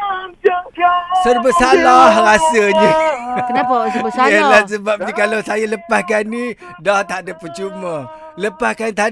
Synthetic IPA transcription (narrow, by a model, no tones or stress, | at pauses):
sərbəsalahrasəɲəkənapasbəsaalas̬əbap̚ɲəkalawsajaləpahkani | dɔht̪aʔdəpːət͡ʃumə | ləpahkant̪a